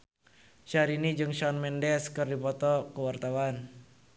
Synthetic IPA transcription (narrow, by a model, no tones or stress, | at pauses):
ʃaɾinid͡ʒɨŋʃɔnmɛndɛskɨrdipɔt̪ɔkəwart̪awan